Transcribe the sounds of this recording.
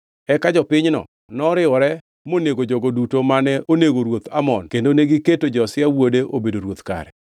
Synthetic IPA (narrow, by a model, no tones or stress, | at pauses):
ɛkad͡ʒɔpɪɲnɔ̰ | nɔɾɪɔɾɛ | moneɡod͡ʒoɡodutomanɛʔoneɡoɾwot̪amɔnkendoneɡɪketod͡ʒɔsɪawodeʔobedoɾwot̪ka̰ɾɛ